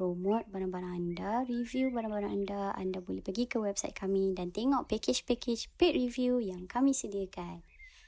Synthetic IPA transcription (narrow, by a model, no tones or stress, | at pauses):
ɾomɔt̪̚baɾãbaɾãŋandaɾivjubaɾãbaɾãŋandaa̰ndabolɛhpəɡikəwɛb̚sajt̪̚kʰamĩdant̪eŋɔʔpɛkɪd͡ʒpɛkɪt͡ʃpet̪̚ɹivjujaŋkamĩsədiakan